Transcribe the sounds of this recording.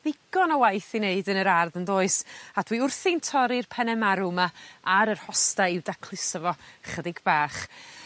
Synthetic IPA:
v̥ɪɡ̥ɔnɔwajθineɨdənəɾarðənðoːɨsad̥wiʊrθɪntʰɔɾɪrpʰɛnɛmaɾumaaɾərhɔstaɪwdakʰl̥ˠɪsɔvɔχədɪɡbaːχ

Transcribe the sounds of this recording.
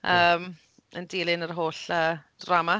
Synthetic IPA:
ʔəːm | əndilˠɪnərɦoːɬə̥ː | rama

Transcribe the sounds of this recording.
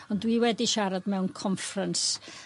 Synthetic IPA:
ɔndwiwɛdiʃaɾadmɛwnkʰɔɱfrəns

